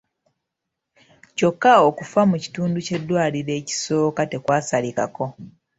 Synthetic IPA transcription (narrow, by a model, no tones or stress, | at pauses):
co̞kːaokufamuci̥tuːnduce̞dːwaːliɾe̞ːci̥so̞ːkate̞kwaːsalika̰ko̞